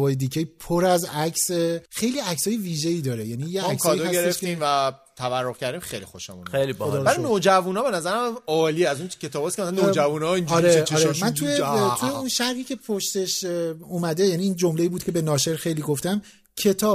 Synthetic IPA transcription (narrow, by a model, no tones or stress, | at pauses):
vɒːjed̪icʰejpʰoɾæzæcʰsexe̞jliæcsɒːjeviːʒe̞iːd̪ɒːɾejænijeæksksʰɔdj̪ɔæsjeɾeʃft̪iːmvæt̪ʰæværːoɣcʰæɾd̪imxḛjlixo̰ʃḛmṵnejliboæɾinod͡ʒævunɒːbe̞næzæɾæmɒːliːæzuncʰet̪ʰɒːbɒskʰʲemæsanod͡ʒævunɒinɒːɾeeɒːɾemæntʰujetʰujeunʃæɾhiːcʰʲe̞pʰoʃt̪eʃuːmæd̪e̞jæniːnd͡ʒo̞mleiːbuːd̪̥cʰebe̞nɒːʃe̞ɾxe̞jliːɡoft̪æm | cʰe̞t̪ʰɒːb̚